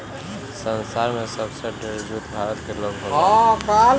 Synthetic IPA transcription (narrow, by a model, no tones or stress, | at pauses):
sə̃nsaːɾmẽsəbseɖeɾd͡ʒuːt̪bʱaːɾət̪keloːɡɦoakaːl